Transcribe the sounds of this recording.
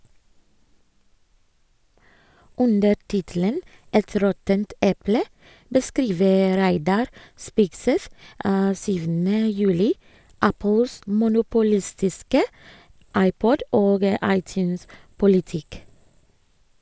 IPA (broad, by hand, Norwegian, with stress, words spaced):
ˈʉndə ˈʈɪtl̩ən ˈɛt ˈɾɔtənt ˈɛplə bəˈskɾiːʋə ˈɾæɪdɑɾ ˈspɪksɛθ ə ˈsyːʋn̩ə ˈjʉːlɪ ˈæpəls mʊnʊpʊˈlɪstɪskə ˈɑɪˌpɔd ˈoːɡ ə ˈɑɪˌtjʉspʊlɪˌtɪk